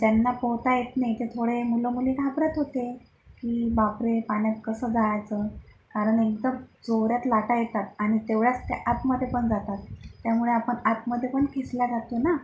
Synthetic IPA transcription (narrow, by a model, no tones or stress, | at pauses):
t̪anːapowt̪ajet̪najt̪et̪ʰoɽemulomulikʰabɾat̪ɦot̪e | kiːbapɾepaɳjat̪kəsəːd͡zajt͡sə | kaɾəɳek̚d̪əd͡zoɾjat̪laʈajet̪at̪aɽ̃it̪eʋɭjat͡st̪jeʔat̪məd̪ʱːjepəɳd͡zat̪at̪ːjamuɭeapəɳat̪məd̪ʱːepəɳkʰesljaɡat̪ona